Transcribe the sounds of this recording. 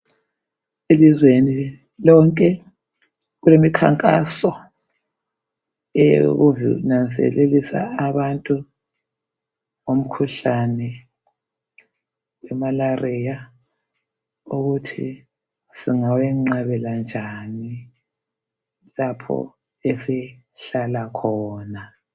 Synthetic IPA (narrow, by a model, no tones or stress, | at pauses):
elizweni | lɔŋkʼɛ | ɣulemikʰa̰ŋkʼa̰sɔ | ɛjo̰ɣuvḭnant͡sʼɛ̰lelisa̰aβantʼu | ŋom̩kʰuɬanɛ | wɛmalarija | uɣutʰḭ | siŋawɛŋ͡ǁaβɛland͡ʒʱani | lapʰɔ̰ | esɛ | ɬalakʰɔːna